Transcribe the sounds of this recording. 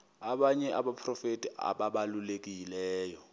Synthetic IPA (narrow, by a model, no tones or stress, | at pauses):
aɓaɲɛʔaɓapʰrɔfetʼia̰ɓaɓalulek̬ʼilɛːjɔ